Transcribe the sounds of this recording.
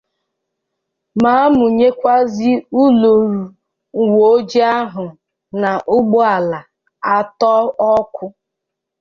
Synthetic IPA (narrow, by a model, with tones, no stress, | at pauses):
ma˨˦mʊ˨ɲe˦kʷa˦zi˦u˦lo˨ɾu˨ | wo˨˦d͡ʒi˦a˦ɦʊ˨ | na˨ʔʊ˦ɡ͡bʊ˦a˨la˨ | a˦tɔ˦ɔ˦kʷʊ˦